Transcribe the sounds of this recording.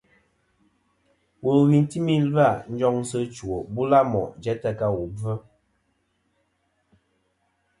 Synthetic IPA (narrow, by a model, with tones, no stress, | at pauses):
wo˨ɣi˨n˦ti˦mi˦la˦˨n̩˦d͡ʒɔ˦ŋ˦sə˦t͡ʃu˨o˨bu˦la˦mɔ̰˨d͡ʒɛ˦tə˦ka˦wu˨b͡və˦